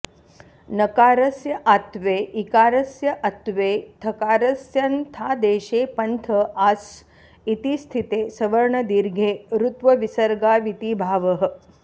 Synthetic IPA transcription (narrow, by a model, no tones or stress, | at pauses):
nɐkaːɾɐsjɐʔat̪ʋeːʔikaːɾɐsjɐʔɐt̪ʋeːt̪ʰɐkaːɾɐsjɐnt̪ʰaːd̪eːʃeːpɐnt̪ʰəaːs | it̪ist̪ʰit̪eːsɐʋɐɾɳɐd̪iɾɡʱeːɾut̪ʋɐʋisɐɾɡaːʋit̪iːbʱaːʋəɦə̆